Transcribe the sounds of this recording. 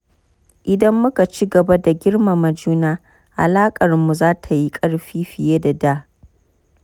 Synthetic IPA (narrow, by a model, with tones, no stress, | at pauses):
ʔɪ˨dɐ˦mːʊ˦ka˨t͡ʃi˦ɡɐ˨ba˦da˨ɡʲɪ˦rma˨mɐ˨d͡ʒuː˦naː˦ | ʔa̰˨laː˦kʼɐ˨rmu˨zaː˦tʰa˨ji˦kʼɐ˦ɽɸiː˦ɸɪ˨jeː˦da˨daː˦